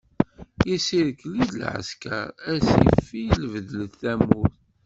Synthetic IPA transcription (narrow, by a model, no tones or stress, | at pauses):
jisiɾəkːlid̪əlʕə̰ska̰ɾˤæsḭfilvðləθθæmʊɾ